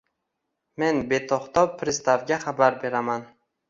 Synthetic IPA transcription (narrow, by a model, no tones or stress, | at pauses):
me̞nbe̞t̪ʰoχt̪ɒwpʰɾɪst̪avɡʲaχabaɾbe̞ɾaman